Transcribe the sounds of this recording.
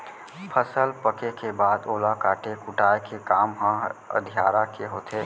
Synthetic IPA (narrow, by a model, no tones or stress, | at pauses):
pʰəsəlpəkekebaːd̪oːlakaːʈekʊʈaːekekaːmɦãə̰d̪ʱijaːɾakeɦoːt̪ʰeː